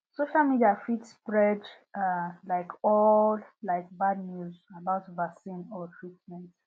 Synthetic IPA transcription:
soʃalmidiafitspɹɛd | alaɪkʰɔllaɪk̚badnjuzabaʊtvasĩnɔfɹitmɛ̃nt

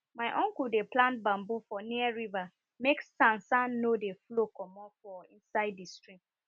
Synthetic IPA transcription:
maɪʔɔ̃ŋkudeplãnt̚bãmbufɔniəɹiva | meksãnsãnːodeflokɔmɔfɔĩnsaɪdistɹĩm

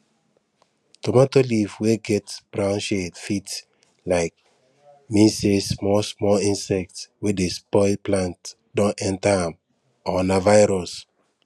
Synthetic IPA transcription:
tɔmatolivweɡɛtsb̥ɹãʊ̃nʃetfits | laɪk̚ | mĩnsesmɔsmɔlĩnsɛk̚twedespɔɪlplãnt | dɔ̃nɛ̃ntaãm | ɔnavajɾɔs

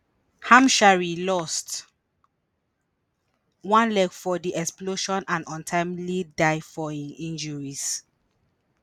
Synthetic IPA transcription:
hãmʃaɹilɔst | wãnlɛɡfɔdiʔɛksploʃɔ̃nãnɔ̃ntʰãɪ̃mlidaɪfɔĩnĩnd͡ʒɔɹis

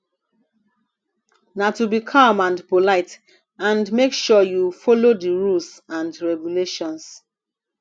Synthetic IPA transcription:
natubikʰamãndpolaɪt | ãndmekʃɔjufɔlodiɹulsãndɹɛɡuleʃɔ̃ns

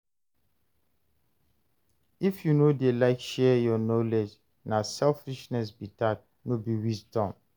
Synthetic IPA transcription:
ifjunodelaɪkʃɛjɔnɔlɛd͡ʒ | nasɛlfiʃnɛs̬bitat̚ | nobiwisdɔ̃m

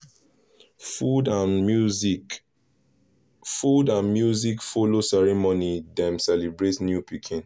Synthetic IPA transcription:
fudãnu | fudãnmjuzikfolosɛɹimonidɛ̃msɛlibɹetnjupikʰĩn

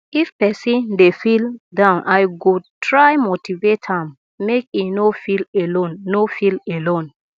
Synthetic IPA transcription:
ifpɛsindefildãnʔajɡud̚tʰɹajmotivetʰãmː | ek̚inofilɛlonːofilɛlɔ̃n

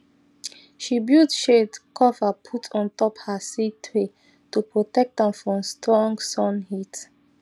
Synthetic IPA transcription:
ʃibjudʃedkʰɔfapʰutʰɔ̃ntɔphasitʰɹe | tupɹotɛk̚tə̃mfɹɔ̃mstɹɔ̃ŋɡsɔ̃nhit

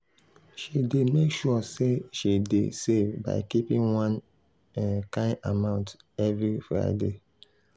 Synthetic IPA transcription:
ʃidemekʃuɔseʃidḛsevba̰ɪkipĩnwãn | ɛkãɪʔamãʊ̃nt | ɛvɹifɹa̰ɪde

